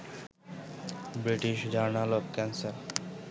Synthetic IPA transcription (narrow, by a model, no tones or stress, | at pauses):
bɾiʈiʃd͡ʑaɾnalɔbkɛnsaɾ